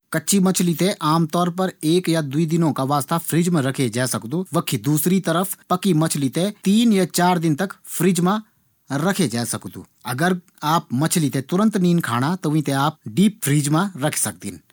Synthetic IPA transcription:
kɐtːʃʰimɐt͡ʃʰlit̪eʔaːmt̪ɔːɾp̬ɐɾeːkjad̪ʊid̪ɪnõkaʋaːst̪apʰɾiːd͡ʒmãɾɐkʰed͡ʒaːsɐkd̪uʋɐkʰid̪uːsɾit̪ɐɾəpʰpɐkimɐt͡ʃʰlit̪et̪iːnjat͡ʃaːɾd̪ɪnt̪ɐkpʰɾiːd͡ʒmã | ɾɐkʰed͡ʒaːsɐkd̪ṵː | ɐɡəɾ | aːp̚mɐt͡ʃʰlit̪et̪ʊɾə̃nt̪niːnkʰa̰ːɽ̃at̪oʋĩt̪eaːp̚ɖiːp̚fʰɾiːd͡ʒmãɾɐkʰe̥sɐk̚d̪ḭːn

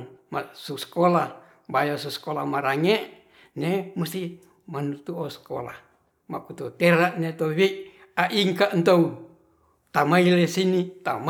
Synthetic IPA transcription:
masuskola | bajasuskolamaɾaŋe | nemust̪i | manut̪uosko̰la̰h | makut̪ut̪eɾaʔnet̪oβei | aʔiŋkaʔnt̪ou | t̪amailesinit̪am

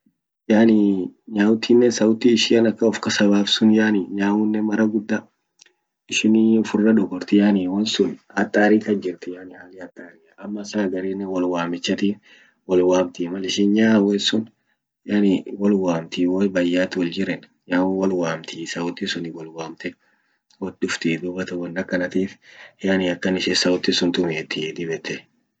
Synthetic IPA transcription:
jaːniɲaːwʊt̪iːnːɛnsɐwʊt̪iɪʃɪɐnɐkːɐɔfkɐsɐbaːfsʊnjaːnɪɲaːwʊnːɛmɐɾɐɡʊd̪ːa | ɪʃɪnʊfʊrːɐᶑɔɡɔɾt̪ɪjaːniwɐnsʊnhɐt̪ʼːaːɾiːkɐd͡ʒɪɾt̪ɪjaːnɪhaːlɪhɐt̪ʼːaːɾɪɐʔɐmːɐsaːɡɐɾeːnːɛwɐlwaːmɪt͡ʃːɐt̪iː | wɐlwaːmt̪iːmɐlɪʃɪːnɲaːwɛsʊn | jaːnɪwɐlwaːmt̪iːwɛbɐjːaːt̪wɐld͡ʒɪɾɛn | jaːwɐlwaːmt̪isɐʊt̪ːisʊnɪwɐlwaːmt̪ɛ | wɐd̪ʊft̪iːd̪ʊbɐt̪ɐwɐnːɐkːɐnɐt̪iːfjaːnɪɐkːɐnɪʃɛsɐʊt̪ːɪsʊnt̪ʊmeːt̪ːɪd̪ɪbɛt̪ɛ

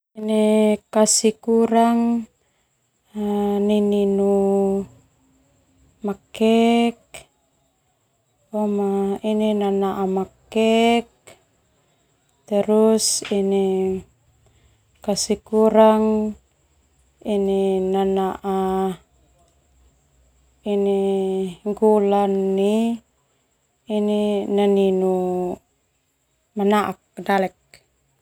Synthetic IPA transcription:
inikasikuɾaŋ | nininu | makɛk̚ | amaininanaʔamakɛk̚ | t̪əɾusini | kasikuɾaŋ | ininanaʔa | iniŋɡulanːi | ininaninu | manaʔak̚dalɛk̚

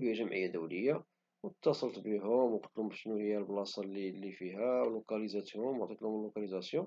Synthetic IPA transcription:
həjːæʒəmʕə̰jːad̪uwləjːa | wt̪ːɑsˤəlt̪biɦʊmwqɑ̥t̪lhʊmbʃnuhəjːælblɑsˤɑlilːifiɦæwlukɑlizɑt̪jʊmwʕt̪ˤit̪lhʊməlːukɑlizɑsjɔ̃

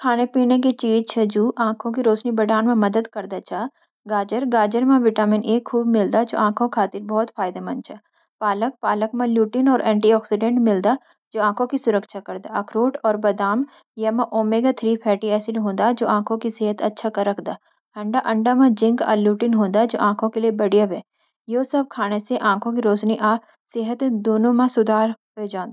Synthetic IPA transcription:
kʰaːnepiːnek̬it͡ʃiːd͡ʒt͡ʃʰɛd͡ʒuːʔãːkʰõk̬iɾoːʃnibɐɖaːnmẽmɐd̪əd̪kɐɾd̪at͡ʃʰaː | ɡaːd͡ʒəɾɡaːd͡ʒəɾmẽʋɪʈaːmɪneːkʰːuːbmɪld̪ad͡ʒo̰ːʔãːkʰõkʰaːt̪ɪɾbɔːt̪faːɪd̪amɐ̃nt͡ʃʰaː | paːlək̚paːlək̚mẽljuːʈɪnɔːɾʔɛ̃ːɳʈiɔːksɪɖẽːɳʈmɪld̪a | d͡ʒoːãːkʰõkisʊɾəkʃʰakɐɾd̪aɐkʰɾoːʈɔːɾbɐd̪aːm | jɐmãʔoːmeːɡat̪ʰɾiːpʰɛːʈiɛːsɪlɦõːnd̪ad͡ʒoːãːkʰõkiseːɦət̪ɐtːʃʰakɐɾːɐkʰd̪aː | ɐ̃ɳɖaʔɐ̃ɳɖamãd͡ʒɪ̃ŋɡa̰ːljuːʈɪnɦõːnd̪ad͡ʒo̰ːʔãːkʰõkeliebɐɽijəbɦɛː | joːsɐb̚kʰaːneseʔãːkʰõk̬iɾoːt͡ʃniʔaː | seɦət̪d̪oːnõmãsʊd̪ʱaːɾɦod͡ʒãːnd̪a

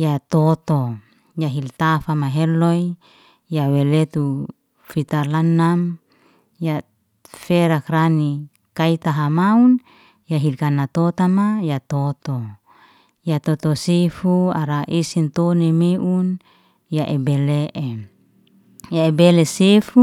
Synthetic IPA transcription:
jat̪ɔt̪o | jaɦilt̪afamaɦɛloi | jawelet̪u | fit̪alanːam | ja | feɾakrani | kait̪aɦamaun | jaɦilkanat̪ot̪amajat̪ɔt̪o | jat̪ɔt̪osefuaɾaʔisint̪onemeʔun | jaʔebɛleʔe | jaebelɛsefu

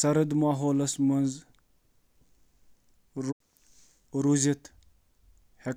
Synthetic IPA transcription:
sɐɾɐd̪maːɦoːlɐsmɐnz | ɾ | ɾuzit̪ | he

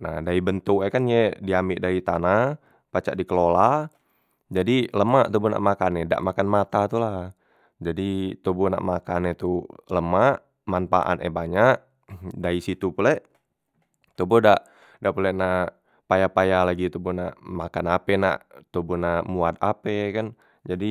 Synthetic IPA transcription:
na̰hdaibənt̪ukɛkanjɛdiamɪʔdait̪ana | pat͡ʃa̰ʔdikəlola | d͡ʒadiləmaʔt̪obuna̰ʔmakanɛda̰ʔmakanmat̪at̪ula | d͡ʒadit̪obuna̰ʔmakanɛt̪uləmaʔ | manfa̰ʔa̰nʔɛ̰baɲaʔ | daisit̪upulɛʔ | t̪obɔdaʔ | daʔpulɛna | pajapajalaɡit̪obɔna̰ʔmakanapɛna̰ʔt̪obunamuat̪apɛkan | d͡ʒadi

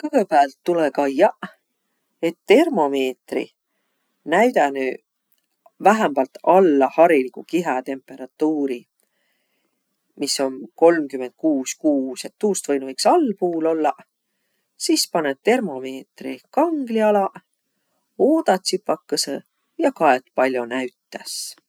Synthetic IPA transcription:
kɤɦepæːlt̪ːulekɑjɑ | e̞t̪ːe̞rmo̞me̞ːt̪rḭ | næjd̪ɑny | væɦæmbɑlt̪ɑlːɑhɑɾilikukiɦɑt̪e̞mpːˑe̞ɾɑt̪ːˑuːɾi | misːo̞nko̞lmkyme̞nd̪̥̚kuːskuːsjɑt̪ːuːst̪vɤjnuvɤjksɑlːpuːlo̞lːɑ | sispɑnet̚t̪e̞rmo̞me̞ːt̪rḭkɑŋɡ̥liɑlɑ | oːd̪̥ɑt̪sipːɑkːɑse | jɑkɑet̪pɑlʲjonæɥt̪ːˑæs

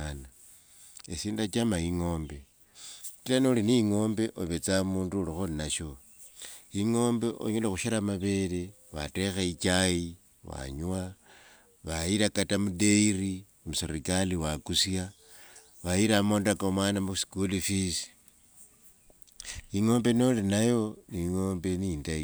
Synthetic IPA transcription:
na | esiːndat͡ʃamaiŋo̞ːmbe̞ | kilanoliniiŋo̞ːmbe̞ʔoβet͡samuːndulixolinaʃo̞ | iŋo̞ːmbe̞ʔo̰ɲelexuʃaɾamaβe̞ɾe̞ | βa̰te̞xeit͡ʃaji | wa̰ɲuwa | βaiɾakatamude̞iri | musiɾikaliwakusja | βaiɾamoːndakomwaːnamusi̥kulifisi̥ | iŋo̞ːmbe̞no̞linajo̞niŋo̞ːmbe̞niːndai

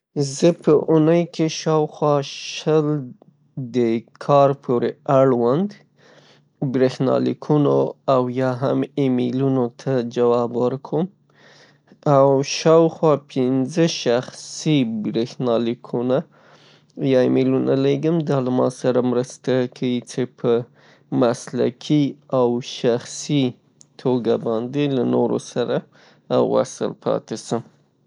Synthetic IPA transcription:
zəpəʔunəjkʰeʃɑwxwɑʃəl | d̪əkʰɑɾpʰoɾeaɽwand̪ | bɾexnɑ̰lḭkʰunoawjɑɦamemelunot̪ʰad͡ʒawɑbwəɾkʰom | awʃɑwxwɑpʰɪnzəʃaxsibɾexnɑlikʰuna | jɑɪmelunaleɡəmd̪ɑlamɑ̰saɾamɾəst̪akʰawit͡sepʰə | masla̰kʰiawʃaxsi | t̪ʰoɡabɑnd̪elano̰ɾo̰saɾa | wa̰sə̰lpʰɑ̰t̪esəm

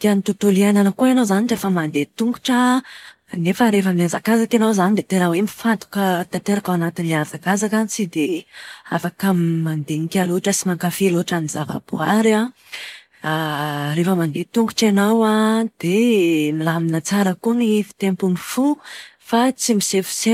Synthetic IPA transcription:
d̪ianit̪ut̪uliananəkuenazaniʈ͡ʂefəmand̪et̪uŋɡuʈ͡ʂə | nefəɾefəmiazakazakenawzanid̪et̪eɾawemifant̪u̥kət̪ant̪eɾakawanat̪inleazakazakanit͡sid̪eafakaəmːand̪eŋikʲaluʈ͡ʂəsimaŋkafeloʈ͡ʂanizava̰b̥uaɾa | refəmand̪et̪uŋɡu̥ʈ͡ʂenawad̪̥enilaminat͡saɾəkunifi̥t̪empunifufat͡simisefu̥se

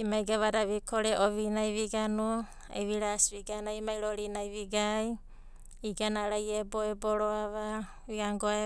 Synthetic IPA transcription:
imaiɡaβadaβikʰoɾeʔoβinajβiɡanu | ḛβiɾasβiɡanaimajɾoɾinajβiɡaj | iɡanaɾajeboeboɾoaβa | βiaŋɡoe

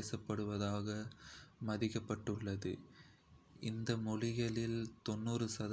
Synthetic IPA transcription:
eːsɐpːɐɽɯʋɐðaːɣɐmɐðɪkːɐpːɐʈːɯɭːɐðɯ | ʔɪnd̪ɐmɔɻɪɣɐɭɪlt̪ɔnːuːrɯsɐðɐ

